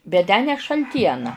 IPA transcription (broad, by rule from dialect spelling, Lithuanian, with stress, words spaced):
bʲɛt ˈtʲæː nʲɛ ʃɐlʲˈtʲiɛnɐ